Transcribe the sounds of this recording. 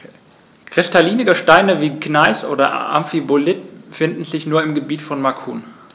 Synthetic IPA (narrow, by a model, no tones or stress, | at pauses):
kʁ̥ɪstaliːnɪɡəʃtaɪnəviːknaɪsʔo̰ːdɐʔa̰mfibolɪtfɪndn̩zɪçnuːɐɪmɡəbiːtfɔnmakʰuːn